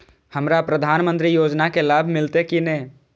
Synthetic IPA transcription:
həmɾapɾəd̪ʱaːnmə̃nt̪ɾijoːd͡ʒnakelaːbʱmɪlt̪ekinɛ

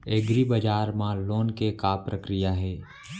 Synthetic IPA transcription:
eɡɾibəd͡ʒaːɾmãloːnkekapɾəkɾɪjaɦɛː

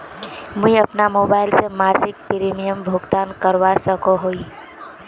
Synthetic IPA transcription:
mũĩəpnamoːbaːɪlsemaːsɪk̚pɾimijəmbʱʊɡt̪aːnkəɾʋasəkoɦoi

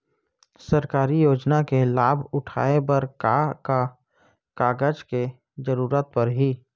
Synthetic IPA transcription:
səɾkaːɾijoːd͡ʒnakelaːbʱʊʈʰa̰ːebəɾkka | kaːɡəd͡ʒke | d͡ʒəɾuːɾət̪̚pəɾɦiː

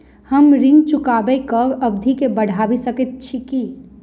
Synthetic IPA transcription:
həmɾɪ̃ŋɡt͡ʃʊkabɛkəɾəbd̪ʱikebəɽ̤ʱabisəkət̪̚t͡ʃʰiki

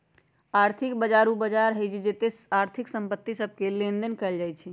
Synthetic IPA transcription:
aɾt̪ʰikbəd͡ʒaɾubəd͡ʒaɾɦəd͡ʒʰid͡ʒet̪eaɾt̪ʰiksəmpət̪ːisəb̚ʱkelẽnd̪ənkəld͡ʒajt͡ʃʰɛ

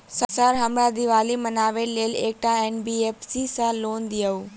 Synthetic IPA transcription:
səsaːɾɦɐmɾaːd̪iʋaːlimɐnaːʋeleːleːk̚ʈãeːnbieːpsisãloːnd̪ijauː

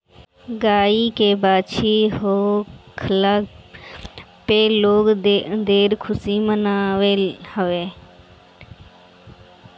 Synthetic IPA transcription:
ɡaːiːkeːbaːt͡ʃʰiːɦoːkʰlaː | peːloːɡd̪eːɾkʰʊsiːmənaːʋeːhəʋeː

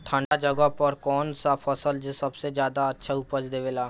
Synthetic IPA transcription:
ʈ̪ʰãːɳɖad͡ʒəɡəpɔːɾkɔːnsafʰəsəld͡ʒesɐbsezjaːd̪aɐtːʃʰaʊpəd͡ʒd̪eːʋeːlaː

